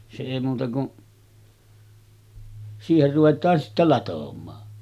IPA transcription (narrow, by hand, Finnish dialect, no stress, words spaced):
se eˑi muːtɑ kuʔ siːher ruʋetˑɑːn sitːæ lɑtomˑɑː